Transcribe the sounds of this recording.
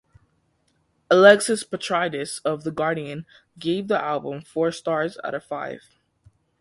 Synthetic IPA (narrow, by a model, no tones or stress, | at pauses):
əlɛksɨspətʰɹ̥aɪɾɨsʌvðəɡɑɹɾiɨ̃n | ɡeɪvðiʔælˠbə̃ɱfɔɹstɑɹzə̰ɾɨ̥faɪv̥